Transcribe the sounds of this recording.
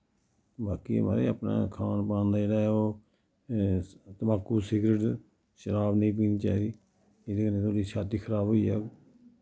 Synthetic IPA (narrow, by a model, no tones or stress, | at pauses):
baːkiːma̰ːɾḛːa̰pna̰ːkʰaːnpãːnd̪aːd͡ʒeːɽaːoː | t̪əbaːkːuːsiːɡɾəʈ | ʃəɾaːbnĩːp̬iːniːt͡ʃa̰ːd̪iː | ɪd̪ekəeːt̪ʰoːɽiːt͡ʃʰaːt̪iːkʰəɾaːbɦoːiːɛː